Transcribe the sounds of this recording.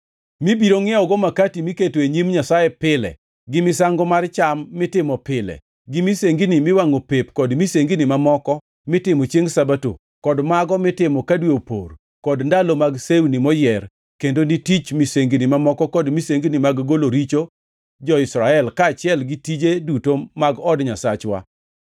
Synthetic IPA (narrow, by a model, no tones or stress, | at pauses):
mibiɾoŋɪɛɔɡɔmakatimiketoeɲimɲasajɛpɪlɛ̰ | ɡɪmɪsaŋɡɔmart͡ʃamːɪtɪmɔpɪlɛ̰ | ɡɪmiseŋɡinimɪwaŋopepkɔdmiseŋɡinimamɔkɔ | mɪtɪmɔt͡ʃeŋsabato̰ | kɔdmaɡɔmɪtɪmɔkadweopo̰r | kɔdndalomaɡsewnimɔjɛr | kendonɪtit͡ʃmiseŋɡinimamɔkɔkɔdmiseŋɡinimaɡɡoloɾit͡ʃo | d͡ʒɔɪsɾaɛlkaːt͡ʃɪɛlɡɪtid͡ʒedutomaɡɔdɲasat͡ʃwa̰